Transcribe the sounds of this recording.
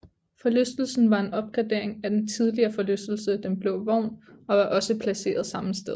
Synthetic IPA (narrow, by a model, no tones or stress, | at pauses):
fɒ̽løsd̥l̩sn̩ʋɑ̈e̝nɒ̽b̥̚ɡ̥ʁɑd̥e̝ɐ̰e̝ŋæd̥ent͡sʰið̞ˠliɐːfɒ̽løsd̥l̩səd̥enb̥le̝ʊʋɒʊ̰nɒ̽ʋɑ̈ʔɒ̽səpʰlæse̝̰ːɐðˠsɑ̈məsd̥eðˠ